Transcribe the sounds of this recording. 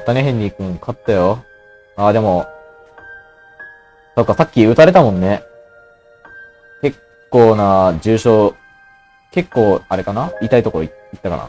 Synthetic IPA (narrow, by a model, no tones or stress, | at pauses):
t̪aneɦẽ̞ɲ̟ːiːkɯ̟̃ŋkʰat̪ːajo | aːd̪e̞mo̞ | so̞kːasakʲːiɯ̟t̪aɾe̞t̪amõnːe̞ | ke̞kːo̞ːnad͡ʑɨːɕo̞ː | ke̞kːo̞ːaɾe̞kanaiːt̪ait̪o̞ko̞ɾoi | it̪ːaka̰ɾa̰